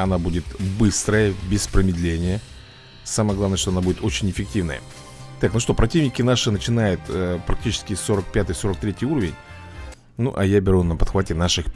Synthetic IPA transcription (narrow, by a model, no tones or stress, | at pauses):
ɐnabudʲɪt̪bɨst̪ɾəjəbʲɪspɾəmʲɪd̪lʲenʲɪjə | saməjəɡlˠavnəʂt̪oɐnabudʲɪt̪o̞t͡ɕɪnʲɪfʲɪk̚tʲivnə̰jə̰ | t̪aknuʂt̪o̞pɾɐtʲivnʲɪkʲɪnaʂɨnət͡ɕɪnajʊt̪əpɾɐk̚tʲit͡ɕɪ̥skʲɪso̞ɾək̚pʲat̪ɨjso̞ɾək̚t̪ɾʲetʲɪjuɾəvʲɪnʲ | nṵʔɐjabʲɪɾunəpɐt̪xvatʲɪnaʂɨx